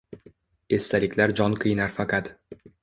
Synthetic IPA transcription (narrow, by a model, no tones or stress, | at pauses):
e̞st̪ʰalɪkʲlaɾd͡ʒɒnqʰɨjnaɾfaqɑt̪